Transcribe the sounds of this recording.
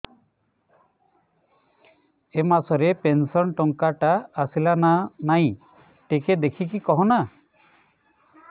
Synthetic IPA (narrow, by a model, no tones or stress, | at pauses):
emasɔɾepensɔnʈɔŋkaʈaːsilananaj̃ | ʈeked̪ekʰik̬ikɔɦɔna